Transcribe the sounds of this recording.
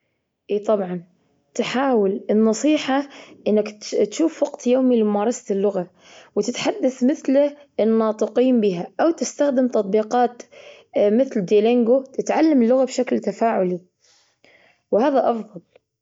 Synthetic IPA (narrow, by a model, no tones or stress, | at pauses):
ʔiːt̪ˤɑbʕɑn | t̪ħaːwɪlɪnːɑsˤiːħaʔɪnːɪkt̪ʃuːfwaqt̪joːmilɪmʊmaːɾˤɑsḁlːʊɣa | wɪt̪ɪt̪ħad̪ːaθmɪθlɪnːɑːt̪ˤɨqiːmbiːɦaʔawt̪ɪst̪axd̪ɪmt̪ɑt̪̚ˤbiːqɑːt̪ | mɪθld̪ileŋɡot̪ɪt̪ʕalːamɪlːʊɣabʃaklt̪afaːʕʊli | whaːðaʔɑfðˤɑl